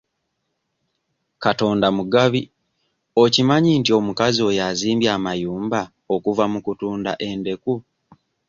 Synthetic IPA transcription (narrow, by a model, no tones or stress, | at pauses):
kato̞ːndamuɡaβi | o̞cimaɲintio̞mukazio̞jaziːmbjaːmajuːmba | o̞kuvamukutuːnda̰ʔe̞nde̞ku